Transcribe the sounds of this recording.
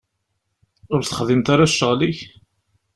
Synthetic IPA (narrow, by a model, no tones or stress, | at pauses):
ʊɾθə̥χðimt̪aɾaʃːəʁliç